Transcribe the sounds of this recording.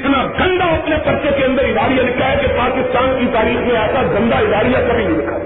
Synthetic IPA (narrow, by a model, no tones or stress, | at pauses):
ɪt̪naɡɐ̃nd̪aɐp̪nepɐɾt͡ʃekeɐ̃nd̪əɾɪd̪aːɾijalɪkʰːaɦɛkepaːkɪst̪aːnkit̪aːɾiːxmẽɛːsaɡɐ̃nd̪aɪd̪aːɾijakɐbʱinĩlɪkʰa